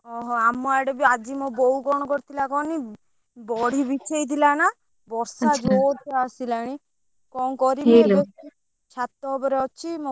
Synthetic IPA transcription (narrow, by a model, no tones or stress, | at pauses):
ɔɦɔamːɔaɽɔbiad͡ʒimobɔɦuɡɔɽ̃ɔkɔɾit̪ʰilakɔni | bɔɽ̤ʱibit͡ʃʰejt̪ʰilana | bɔɾsad͡ʒoɾt̪easilaɽ̃i | kɔŋkɔɾielo | t͡ʃʰat̪ːɔbɔɾeɔt͡ʃʰimo